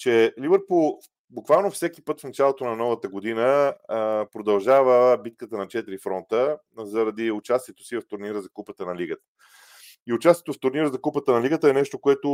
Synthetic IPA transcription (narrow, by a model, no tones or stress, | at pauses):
t͡ʃɛlivəɾpulˠ | bʊkvalˠnofsɛkipɤt̪fnɐt͡ʃalˠot̪onɐnɔvət̪əɡod̪inə | pɾod̪ɐlˠʒavəbit̪̚kət̪ənɐt͡ʃɛt̪iɾifɾɔnt̪ə | zɐɾɐd̪iʊt͡ʃast̪iɛt̪o̥sivɐft̪ʊɾniɾəzɐkupət̪ənɐliɡət̪ə̥ | iʊt͡ʃast̪iɛt̪ʊft̪ʊɾniɾəzɐkupət̪ənɐliɡət̪əɛnɛʃt̪okoɛt̪o